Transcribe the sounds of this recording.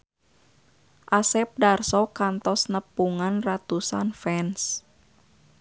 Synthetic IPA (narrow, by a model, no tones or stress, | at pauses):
ʔasɛp̚darsɔkant̪ɔsnəpuŋanrat̪usa̰nfɛns